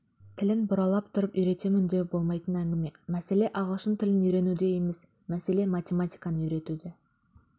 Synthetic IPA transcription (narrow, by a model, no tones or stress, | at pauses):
t̪ʰɪlɪnbʊɾɑlˠɑp̚t̪ʰʊɾəpijɾe̞t̪e̞mɪnd̪e̞bo̞lˠmɑjt̪ənæŋɡʲɪme̞mæse̞le̞ʔɑʁəlˠʃənt̪ʰɪlɪniɾe̞nud̪e̞jeme̞s | mæse̞le̞mat̪ʲe̞mat̪ʲijkɑnəʏɾe̞t̪ud̪ɪ